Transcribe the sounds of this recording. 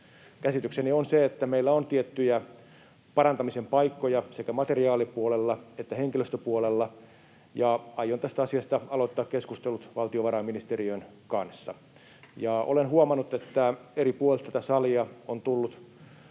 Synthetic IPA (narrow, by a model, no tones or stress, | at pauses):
kæsit̪yksenionseet̪ːæmeilːæont̪iet̪ːyjæ | pɑɾɑnt̪ɑmisempɑikːojɑsekæmɑt̪eriɑːlipuolelːɑet̪ːæheŋkiløst̪øpuolelːɑ | jɑɑjont̪æst̪æɑsiɑst̪ɑɑlot̪ːɑːkkeskust̪elut̪ʋɑlt̪ioʋɑɾɑːmːinist̪eriøn | kɑnsːɑ̰ | jɑʔo̰lenhuɑmɑnːut̪et̪ːæeɾipuolelt̪æt̪æsɑliɑont̪ulːut̪